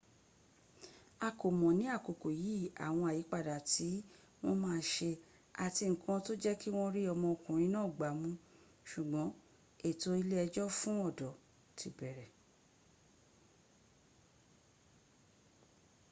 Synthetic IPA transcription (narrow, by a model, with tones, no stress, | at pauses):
a˨ko˨mɔ̃˨nĩ˨˦a˦˨ko˨ko˨ji˨˦˨a̰˨w̃ɔ̃˧a˨ji˨˦k͡pa˦˨da˨ti˨˦ | w̃ɔ̃˦mãː˦˧˦ʃe˧ | a˨ti˧ŋ̩˨kʰã˧to˦d͡ʒɛ˦ki˦w̃ɔ̃˦ɾi˦ɔ˧mɔ̃˧o˧kũ˨ɾ̃ĩ˧˦nãː˦˨ɡ͡ba˨˦mũ˧ | ʃu˨ɡ͡bɔ̃˨˦ | e˦˨to˦i˧˦le˦ɛ˧d͡ʒɔ˦fũ˦ɔ˦˨dɔ˨ | tʰi˨bɛ˨ɾɛ˨